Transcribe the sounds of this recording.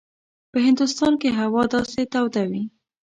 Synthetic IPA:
pəɦɪnd̪ʊst̪ɑnkeɦawɑd̪ɑset̪awd̪awi

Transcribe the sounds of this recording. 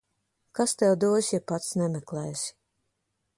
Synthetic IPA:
kast̪ɛwd̪uɔsʲjapat̪snɛmʲɛklˠɛːsʲi̥

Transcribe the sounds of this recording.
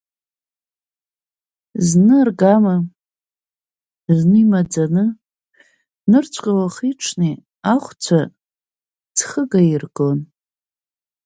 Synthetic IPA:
znɨrɡama | znɨimad͡zanɨ | nɨrt͡ɕʷʰʼkʼawaχiʈ͡ʂʰne | aχʷt͡sʷʰa | d͡zχəɡairɡon

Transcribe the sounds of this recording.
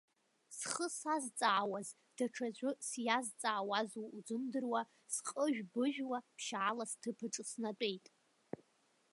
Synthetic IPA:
sχəsazt͡sʼaːwaz | d̥aʈ͡ʂʰad͡ʑʷʼʊsjazt͡sʼaːwazuud͡zɨmdɨrwa | sqʼəʒᶣbɨʒᶣwapʰʃaʕalastʰɨpʰɨʈ͡ʂʼsnat͡pʷʼejtʼ

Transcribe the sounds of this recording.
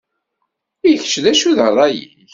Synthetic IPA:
iç̥t͡ʃːðæʃuðərˤːɑjḭ | ç

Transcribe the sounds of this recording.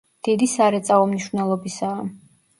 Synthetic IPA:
d̪̥id̪isaɾɛt̪sʼaɔmniʃvnɛlˠɔbisaː

